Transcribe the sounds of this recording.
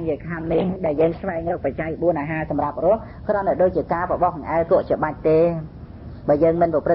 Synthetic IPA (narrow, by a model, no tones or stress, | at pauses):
ŋt͡ɕiəkʰamnihɗaɛljəːŋsʋaɛŋrɔːk̚pat͡ɕakɓuənʔaːɦaːsɑmrap̚rʊ̆əh | krɔ̆nːaɗoːc̚t͡ɕiəkaːpɔɓɑhŋʔaɛlkʊ̆əʔt͡ɕiəɓac̚t̪eː | ɓaəjəːŋmɨnpɔprɨ